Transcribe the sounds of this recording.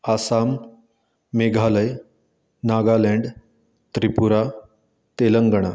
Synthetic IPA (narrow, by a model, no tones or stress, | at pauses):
asamː | eɡʱaləj | naɡalɛɳɖ | t̪ɾipuɾa | t̪eləŋɡəɳ̃a